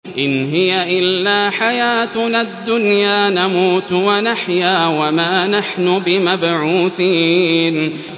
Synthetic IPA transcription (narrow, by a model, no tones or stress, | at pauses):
ʔɪnɦɪjaʔɪlːaːħajaːt̪nad̪ːʊnjaːnamuːt̪wanaħjaːwamaːnaħnʊbɪmabʕuːθiːn